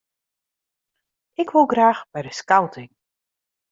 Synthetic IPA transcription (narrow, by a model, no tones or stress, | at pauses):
ɪkʋolˠɡraːxbɛjdəskawtʰɪŋ